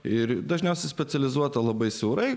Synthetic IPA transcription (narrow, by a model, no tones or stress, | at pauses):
ɪɾd̪ɐʒʲnʲɛʊsʲɛɪsʲpʲɛt̪sʲɛlʲɪzuɔt̪ɐlˠɐbɐɪsʲɛʊɾɐɪ